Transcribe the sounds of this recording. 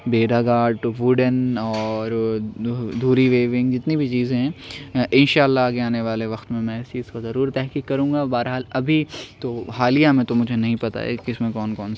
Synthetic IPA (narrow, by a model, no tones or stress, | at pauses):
beːɖaɡaːɖʈoʋʊɖənɔːɾ | d̪ʱuːɾiʋeːʋɪ̃ŋɡd͡ʒɪt̪nibʱit͡ʃiːzẽɦɛ̃ːʔɪnʃaːəlːaaːɡeaːneʋaːleʋɐxt̪mẽmɛ̃ɪsiːskazɐɾuːɾt̪ɛɦkiːkːɐɾũːŋɡabaːɾɦaːlɐbʱit̪ohaːlijamẽt̪omʊd͡ʒʱenɐɦĩpɐt̪a̰ḛːkɪsmẽkɔːnkɔːns